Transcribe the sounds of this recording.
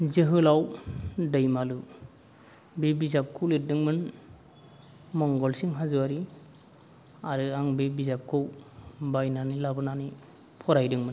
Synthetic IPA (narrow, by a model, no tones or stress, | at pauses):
zɯɦɯlawdɯjmalu | bebizap̚kʰɯwlit̚dɯŋmɯn | mɔŋɡɔlsiŋɦazuwaɾi | aɾɯaŋbebizap̚kʰɯwbajnanilabɯnani | pʰɔɾajdɯŋmɯn